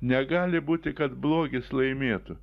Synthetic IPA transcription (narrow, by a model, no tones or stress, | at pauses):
nʲɛɡɑːlʲɪbuːt̪ʲɪkɐt̪blˠoːɡʲɪslˠɐɪmʲeːt̪ʊ